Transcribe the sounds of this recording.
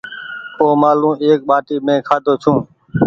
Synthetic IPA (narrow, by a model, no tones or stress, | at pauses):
oːmaːlũːeːk̚ɓaːʈiːmẽːkʰaːd̪oːt͡ʃʰũː